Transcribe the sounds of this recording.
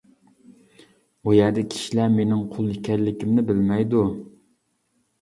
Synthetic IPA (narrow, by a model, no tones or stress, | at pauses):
ujɛɾd̪ɛkʲʰi̥ʃilæmenɪŋqʰolˠikʲʰæɾlɪkʲimnɪbɪlmɛjd̪u